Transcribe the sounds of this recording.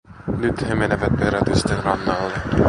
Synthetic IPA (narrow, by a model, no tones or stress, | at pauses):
nyt̪hemeneʋæt̪̚peɾæt̪yst̪enrɑnːɑːlːe